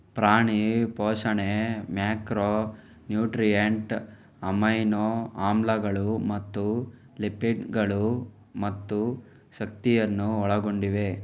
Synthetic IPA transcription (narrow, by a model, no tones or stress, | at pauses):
pɾaːɳipɔːʂɐɳemjaːkɾo | njuːʈɾijeɳʈ | ɐmɐjnoaːmlɐɡɐɭumɐt̪ːu | lipiʈɡɐɭu | mɐt̪ːu | ʃɐk̚t̪ijɐnːuɔɭɐɡoɳɖiʋe̞